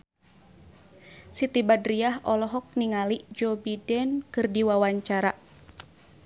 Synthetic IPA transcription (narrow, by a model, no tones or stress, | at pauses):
sit̪ibadɾiaɦɔlɔɦɔk̚niŋaliʔd͡ʒobidɛnkɨrdiwawaɲt͡ʃaɾa